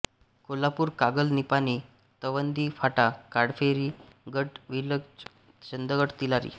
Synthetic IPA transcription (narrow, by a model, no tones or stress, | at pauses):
kolapuːɾkaɡəlnipaniː | t̪əʋənd̪iːfaʈakaɽfeɾiːɡəʈʋiləɡ | t͡ɕənd̪əɡəʈt̪ilaɾḭː